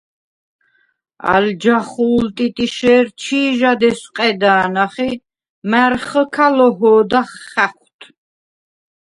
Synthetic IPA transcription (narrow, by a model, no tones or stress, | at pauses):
a̰ld͡ʒaχuːlt̪ʼit̪ʼiʃɛːɾt͡ʃʰiːʒad̪ɛsqʼɛd̪aːnaχi | mæɾχəkʰalɔɦɔːd̪aχːɛχʷt̪ʰ